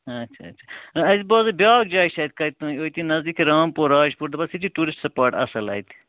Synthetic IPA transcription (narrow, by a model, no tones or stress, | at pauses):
ɐtːʃʰɐ̰ɐ̰ʃʰaɐzibaːzɐbjaːɡd͡ʒaːiʃɐːjt̪̚kɐit̪̚t̪ːũːoːit̪inɐzd̪iːkɾaːmpoːɾaːd͡ʒpuɾd̪ɐbɐsit͡ʃiʈuːɾɪsʈsɐpaːɾʈɐ̰sɐlɐ̰ːjt̪